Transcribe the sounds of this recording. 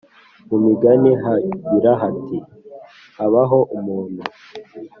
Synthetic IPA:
mumiɡaniɦaɟiɾaɦati | haβaɦo̞ʔumuːn̤hu

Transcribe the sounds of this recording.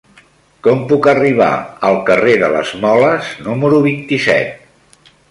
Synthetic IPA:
kɔmpukəriβ̞a̰əlˠkəreðələ̰zmɔləznuməɾuβint̪isɛ̰t̪̚

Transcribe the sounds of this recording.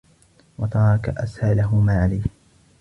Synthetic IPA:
wɑt̪ˤɑɾˤɑkaʔashalaɦʊmaːʕalajh

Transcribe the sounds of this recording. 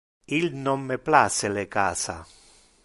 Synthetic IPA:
ilnomːeplaselekaːsa̰

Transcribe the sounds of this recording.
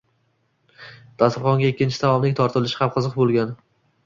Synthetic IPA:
d̪̥ast̪ɪɾχɒŋɡʲaekʲːɪnt͡ʃʰɪsʰavɒmnɪŋʲt̪ʰɒɾt̪ʰɪlɪʃɪhamqʰɨzɨqbolˠɡʲan

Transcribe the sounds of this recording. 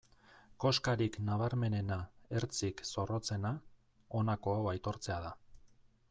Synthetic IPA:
ko̞skaɾiknaβ̞aɾme̞ne̞nae̞ɾt͡sikso̞ro̞t͡se̞na | o̞nako̞awajt̪o̞ɾt͡se̞að̞a

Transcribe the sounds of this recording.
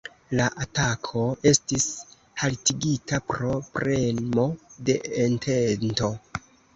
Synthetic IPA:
laʔatakʰo̞e̞stis | haltiɡitapɾo̞pɾʔe̞nmo̞de̞entʰento̞

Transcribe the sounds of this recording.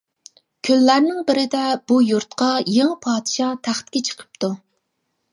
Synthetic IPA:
kʲʰølːæɾnɪŋbɪɾɪd̪ɛb̥ujuɾt̪qɑjeŋɨpʰɑːd̪ɪʃɑt̪ʰæχt̪̚kʲɛt͡ʃʰə̥qʰə̥p̚t̪ʰu

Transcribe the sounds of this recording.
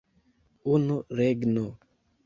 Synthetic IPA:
unuɾeɡno

